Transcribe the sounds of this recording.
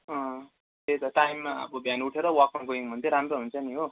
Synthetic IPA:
ʌ̃ | t̪et̪ʌʈajmːaʌ̰bʌbʱjanuʈʰeɾʌwakankoiŋbʱʌnt̪ʰeɾamɾoɦunt͡sʰʌniɦo

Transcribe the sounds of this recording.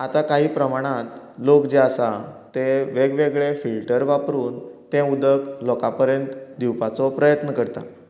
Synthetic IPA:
at̪akaɦiːpɾəmaɽ̃ãt̪ | lokd͡ʑeasat̪eʋeɡʋeɡɭefilʈəɾʋapɾuːnt̪ɛ̃ud̪əklɔkapəɾjənt̪d̪iwpat͡sɔpɾəjət̪nəkəɾt̪a̰

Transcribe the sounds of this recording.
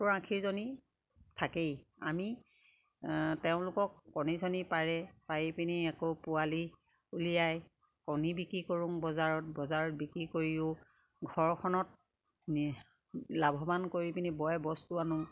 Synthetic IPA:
ʊɹãkʰiɹzoni | tʰakejami | teʊ̃lʊkɔkːɔnisɔnipaɹɛpajipiniɛkopʊali | ulijaj | kɔnibikɹikoɹʊ̃ŋbɔzaɹɔt̚bɔzaɹɔt̚bikɹikoɹijʊ̃ | ɡʱɔɹkʰɔnɔt̚ | labʱɔbankoɹipinibɔjɛbɔstuanʊŋ

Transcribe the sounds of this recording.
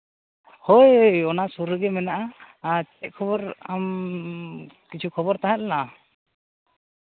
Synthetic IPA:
hojɔnasuɾɯɡɛmɛnaʔa | t͡ʃɛc̚kʰɔbɔɾam | kit͡ʃʰukʰɔbɔɾt̪aɦɛʔlɛna

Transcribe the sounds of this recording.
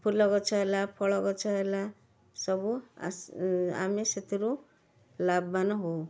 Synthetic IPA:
pʰulɔɡɔt͡ʃʰɔelapʰɔɭɔkɔt͡ʃʰɔɦela | sʌbṵ | a̰meset̪iɾu | labːanɔɦo

